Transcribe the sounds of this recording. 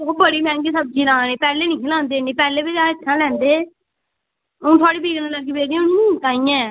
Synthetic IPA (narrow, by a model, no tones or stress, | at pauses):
oːbəɽiːmɛ̃ːɡiːsəb̚d͡ʒiːnãːneːpɛːleːnĩːkʰɪlãːnd̪eːnĩːpɛːleːbid͡ʒaːɪt͡ʃʰːãːlɛ̃ːnd̪eː | ʊ̃ːt̪ʰʊaːɽiːbiːɡnaləɾɡiːbeːɾiːʊnĩːt̪aːĩːɛ̃ː